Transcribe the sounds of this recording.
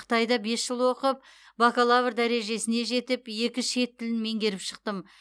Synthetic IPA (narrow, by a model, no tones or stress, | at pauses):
qʰə̥t̪ɑjd̪ɑbe̞sʒəlˠwo̞qəp̚ | bakalˠavɾd̪æɾe̞ʒe̞sɪne̞ʒe̞t̪ɪpje̞kʲɪʃe̞t̪ːɪlɪnme̞ŋɡʲe̞ɾɪpʃə̥q̚t̪əm